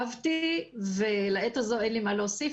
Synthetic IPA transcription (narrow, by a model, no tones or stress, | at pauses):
vt̪ivelaetazoenlimaloːsi